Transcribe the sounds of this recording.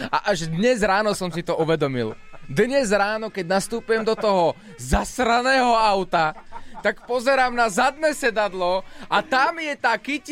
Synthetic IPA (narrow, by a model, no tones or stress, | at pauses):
a̰ʔaʒd̪ɲɛzɾaːnɔsɔmsit̪ɔʔuʋɛd̪ɔmild̪ɲɛzɾaːnɔkɛɟnast̪uːpujɛmd̪ɔt̪ɔɦɔ | zasɾanɛːɦɔaʊt̪at̪akpɔzɛɾaːmnazad̪̚nɛːsɛd̪ad̪lɔat̪amjɛt̪aːkic